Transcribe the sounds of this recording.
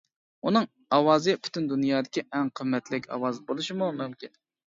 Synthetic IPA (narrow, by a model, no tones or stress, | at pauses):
unɨŋ | ɑwɑːzɨpʰy̥t̪ʰynd̪unjɑːd̪ɪkʲiʔɛŋqʰəmːɛt̪lɪkʲɑ̰wɑːzɨbolˠuʃimumumkʲin